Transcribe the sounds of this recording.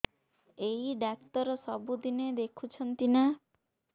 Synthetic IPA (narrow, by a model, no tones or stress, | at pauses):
eiɖak̚t̪ɔɾɔsɔbud̪ined̪ekʰut͡ʃʰɔnt̪ina